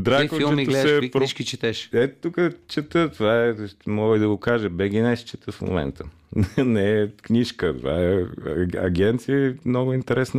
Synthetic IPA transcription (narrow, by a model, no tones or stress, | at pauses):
d̪ɾakit͡ʃˠɛmiɡ̪lsɛpɾʃkit͡ʃɛt̪ɛʃɛt̪ukət͡ʃɛt̪ət̪ovaɛmɔɡəid̪ɐɡʊkaʒɛbɛɡʲinɛst͡ʃɛt̪əfmo̰mɛ̰nt̪ʰə | nɛknʲiʃkət̪ova̰ɛ | ɐ̰ɡʲɛnt̪siəmnoɡʊint̪ɛɾɛsnə